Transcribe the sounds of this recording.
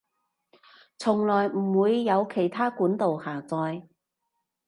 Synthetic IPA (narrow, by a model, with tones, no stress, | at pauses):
t͡sʰʊ˨˩ŋlɔː˨˩jm̩˨˩wuː˨˧jːɐ˨˧wkʰe˨˩jt̪ʰaː˥kuː˨˥nt̪o˨whaː˨˩t͡sɔː˧j